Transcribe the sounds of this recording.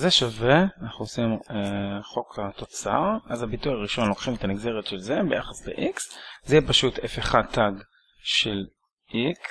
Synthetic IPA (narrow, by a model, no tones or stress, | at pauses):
zeʃaveanaχnuosimeχo̞kat̪o̞t͡sa̰ʁʔazabitujaʁiʃo̞nlo̞kχimet̪amiɡze̞ʁetʃelzebe̞jaχasbḛʔikszeipaʃutefeχat̪aɡ | ʃel | ʔiks